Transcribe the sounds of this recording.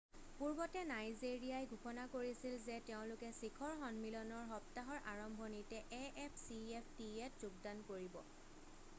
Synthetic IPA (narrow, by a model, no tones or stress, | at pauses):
puɹbɔtɛnajzeɹijajɡʱukɔnakoɹisilzɛteʊ̃lʊkɛsikʰɔɹxɔnmilɔnɔɹɦɔptaɦɔɹʔaɹɔmbʱɔnitɛʔɛʔɛpʰsiɛpʰtiɛtzuɡ̚dankoɹibɔ̰